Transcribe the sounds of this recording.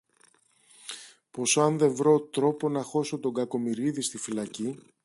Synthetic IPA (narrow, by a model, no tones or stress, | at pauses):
po̞soɐnðe̞ɱvɾo̞t̪ɾo̞po̞nɐxo̞so̞t̪o̞ɡɐko̞miɾiðist̪ifilɐci